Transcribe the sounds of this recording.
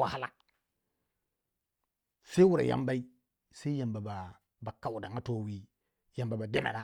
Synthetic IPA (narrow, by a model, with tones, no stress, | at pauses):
a˨ha˦la̰˨ | se˦wu˦ɾa̰˨ja̰˦mba˦i˦ | sa˦i˦ja˨mba˨ba˨ | ba˨ka˦wu˨da˨ŋa˦to˦wi˦ | ja˨mba˨ba˨de˦na̰˨ɗa˦˨